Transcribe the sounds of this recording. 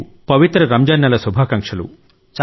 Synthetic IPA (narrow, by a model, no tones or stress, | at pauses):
pɐʋit̪ɾɐɾɐmd͡ʒɐnːɐlɐsubʱaːkɐŋkʂɐlṵ | t͡ʃ